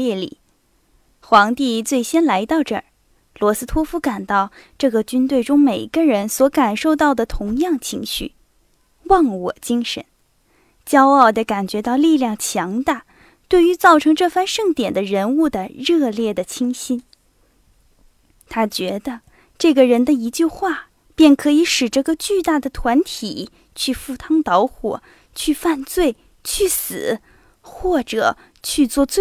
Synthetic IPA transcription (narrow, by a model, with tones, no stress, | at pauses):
ɛ˥˩lḭ˨˩˦ | xwɑ˧˥ŋt̪i˥˧t͡swe˥˩ɪɕjɛ˥nla˧˥ɪt̪ɑ˥˧ʊʈ͡ʂɤ˥˩ | lwɔ˧˥sɹ̩˥t̪ʰwɔ˥fu˥ka˨˩nt̪ɑ˥˧ʊʈ͡ʂɤ˥˩ɡə˩t͡ɕy˥nt̪we˥˩ɪʈ͡ʂʊ˥ŋme˨˩ɪɡə˧ɻə˧˥nswɔ˧˥ka˨˩nʂo˥˧ʊt̪ɑ˥˩ʊd̪ə˩t̪ʰʊ˧˥ŋjɑ˥˩ŋt͡ɕʰi˧˥ŋɕy̰˥˩ | wɑ˥˩ŋwɔ˨˩t͡ɕi˥ŋʂə̰˧˥n | t͡ɕjɑ˥ʊɑ˥˩ʊd̪ə˧˩ka˨˩nt͡ɕɥɛ˧˥t̪ɑ˥˧ʊli˥˧ljɑ˥˩ŋt͡ɕʰjɑ˧˥ŋt̪a˥˧ | t̪we˥˩ɪy˧˥t͡sɑ˥˩ʊʈ͡ʂʰɤ˧˥ŋʈ͡ʂɤ˥˧fa˥˧nʂɤ˥˩ŋt̪jɛ˨˩nd̪ə˦ɻə˧˥nu˥˩d̪ə˩ɻɤ˥˧ljɛ˥˩d̪ə˩t͡ɕʰi˥ŋɕi˥n | t̪ʰa˥t͡ɕɥɛ˧˥d̪ə˧ | ʈ͡ʂɤ˥˩ɡə˩ɻə˧˥nd̪ə˧i˧˥t͡ɕy˥˧xwa˥˩ | pjɛ˥˩nkʰɤ˧˥i˧˥ʂɻ̩˨˩ʈ͡ʂɤ˥˩ɡə˨t͡ɕy˥˧t̪a˥˩d̪ə˩t̪ʰwa˧˥nt̪ʰi˨˩ | t͡ɕʰy˥˧fu˥˩t̪ʰɑ˥ŋt̪ɑ˧˥ʊxwɔ̰˨˩˦ | t͡ɕʰy˥˧fa˥˧nt͡swe˥˩ɪ | t͡ɕʰy˥˩sɹ̩˨˩˦ | xwɔ˥˩ʈ͡ʂɤ˨˩ | t͡ɕʰy˥˧t͡swɔ˥˧t͡swe˥˧